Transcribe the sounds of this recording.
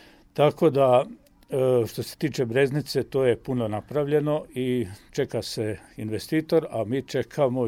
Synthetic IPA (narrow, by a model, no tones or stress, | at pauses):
t̪ako̞d̪a | ʃt̪o̞se̥t̪iːt͡ʃe̞bɾe̞znit̪se̞t̪o̞ːje̞punonapɾaʋʎe̞no̞it͡ʃe̞kaseinʋest̪iːt̪o̞ɾamiːt͡ʃe̞kʰamo